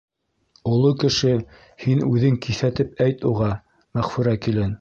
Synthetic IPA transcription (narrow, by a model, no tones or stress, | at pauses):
ŏlˠokɘ̆ʃɘ | hinʉðɘŋkiθæt̪ɘp̚æjt̪uʁɑ | mæχfɵ̆ɾækilɘn